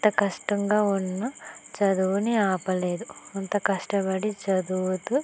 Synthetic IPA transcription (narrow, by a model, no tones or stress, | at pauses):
t̪ɐkɐʂʈɐŋɡaːunːɐt͡ʃɐd̪uʋuniaːpɐle̞ːd̪uɐnt̪ɐkɐʂʈɐbɐɽit͡ʃɐd̪uʋut̪u